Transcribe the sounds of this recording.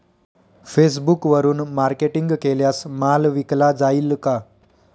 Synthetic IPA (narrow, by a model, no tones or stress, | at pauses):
fes̬bukʋəɾuːnmaɾkeʈiŋɡkeljasmalʋiklad͡zailka